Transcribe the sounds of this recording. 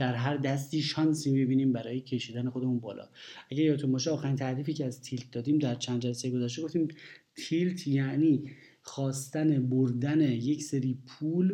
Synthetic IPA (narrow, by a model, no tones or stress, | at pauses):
d̪̥æɾɦæɾd̪æst̪iːʃɒnsiːbebiːniːmbæɾɒːjecʰe̞ʃiːd̪æne̞xo̞d̪emunbɒːlɒ̰ːæɟæɾjɒːt̪ʰombɒːʃ̬eɒːxæɾint̪ʰæʔɾiːfiːcʰeæzt̪ʰilt̪̚ʰd̪ɒːd̪iːmd̪æɾt͡ʃʰænd̪d͡ʒælæsejeɡo̞zæʃ̬t̪e̞ɡo̞ft̪iːmt̪ʰilt̪ʰjæʔniː | xɒːst̪æneboɾd̪ænejecseɾiːpʰuːl